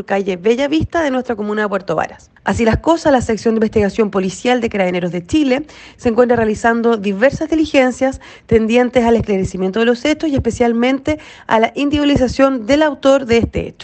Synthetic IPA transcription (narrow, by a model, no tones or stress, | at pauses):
ɾkaʝeβe̞ʝaβist̪aðenwest̪ɾako̞mũnaðep̬we̞ɾt̪o̞βa̰ɾas | asilasko̞saslaseksjond̪eimbest̪iɣasjo̞mpo̞lisjald̪ekaɾaðeneɾo̞zðe̞t͡ʃile | seːŋkwent̪ɾarealisand̪o̞ðiβeɾsazðilixe̞nsjas | t̪e̞nd̪je̞nt̪esalehklaɾesimjent̪oðelo̞se̞t͡ʃosiespe̞sjalmẽ̞nt̪e̞ | a̰laʔind̪iβilis̬asjo̞nd̪e̞lawt̪o̞ɾðeest̪ḛḛt͡ʃo̥